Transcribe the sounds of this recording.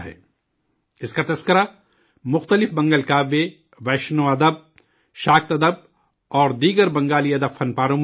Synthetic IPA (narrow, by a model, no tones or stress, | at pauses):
ɦɛ̰ː | ɪskat̪ɐskəɾa | mʊxt̪əlɪfbɐ̃ŋɡəlkaːʋe | ʋɛːʃnõɐd̪əb̚ | ʃaːk̚t̪ɐd̪əb̚ | ɔːɾd̪iːɡəɾbɐ̃ŋɡaːliɐd̪əbfɐnpaːɾõm